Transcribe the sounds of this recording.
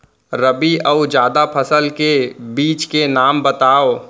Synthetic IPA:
ɾɐbiʔɐud͡ʒjaːd̪apʰɐsəlkebiːt͡ʃkenaːmbɐt̪aːo

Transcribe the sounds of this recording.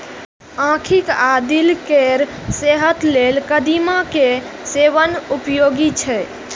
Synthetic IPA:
ãkʰikad̪ilkeɾ | seɦət̪lelkəd̪imakeseʋənupjoɡit͡ʃʰɛ

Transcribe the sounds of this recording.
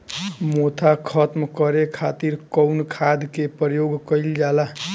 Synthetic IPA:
mot̪ʰakʰət̪mkəɾekʰat̪iɾkəwnkʰad̪kepɾəjoɡkəjld͡ʒala

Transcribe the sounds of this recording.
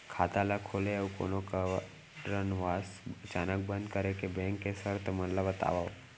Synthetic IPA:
kʰaːt̪alakʰoːleewko̰ːnoka | ɾənʋasət͡ʃaːnək̚bənd̪̚kəɾekebẽŋkːesəɾt̪ʰmənləbət̪a̰ːʋao

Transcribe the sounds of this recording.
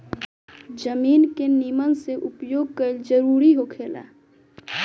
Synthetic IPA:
d͡ʒəmiːnkenimənseʔʊpjoːɡ̚kəld͡ʒəɾuːɾiɦokʰeːla̰ː

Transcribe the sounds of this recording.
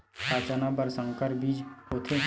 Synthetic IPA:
paːt͡ʃanabəɾsə̃ŋkəɾbiːd͡ʒʊt̪ʰe

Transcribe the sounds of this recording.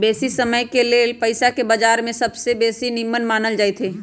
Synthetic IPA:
beːsisəməjkelepəɪsakebəd͡ʒaːɾmẽsɐbsebeːsinɪmːənmaːnəld͡ʒaːet̪ʰɦeː

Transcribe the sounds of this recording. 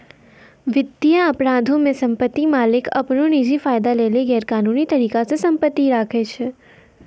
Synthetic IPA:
ʋɪt̪ːijəəpɾãd̪ʱõmẽsəmpət̪ːimalɪkə̰pnonid͡ʒifajd̪aleleɡɛːɾkanunit̪əɾikasesəmpət̪ːiɾakʰet͡ʃʰe

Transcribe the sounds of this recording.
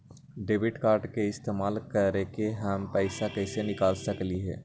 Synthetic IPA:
ɖeːʋɪʈkaːɾɖkeɪst̪eːmaːlkəɾekeɦəmpɛɪsakɛːsenɪkaːlsəkliɦɛ̰ː

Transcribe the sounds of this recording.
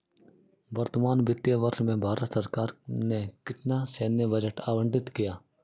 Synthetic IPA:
bɐɾt̪maːnbɪt̪jəʋɐɾʃmẽbʱaːɾət̪sɐɾkaːɾnekɪt̪naseːnjəbɐd͡ʒəʈaːʋə̃ɳɖɪt̪kijaː

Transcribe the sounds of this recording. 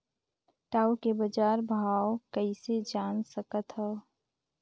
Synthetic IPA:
ʈaːukebəd͡ʒaːɾbʱaːwkəised͡ʒaːnsəkət̪ɦɛ

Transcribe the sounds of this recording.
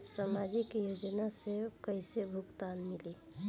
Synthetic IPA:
samad͡ʒikjod͡ʒənasekəjsebʱukt̪anmili

